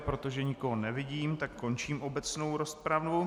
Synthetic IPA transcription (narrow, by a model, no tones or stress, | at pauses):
pɾo̞t̪o̞ʒɛɲɪko̞ɦonɛvɪɟiːmt̪akko̞nt͡ʃiːmʔo̞bɛt͡sno̞wɾo̞spɾavnu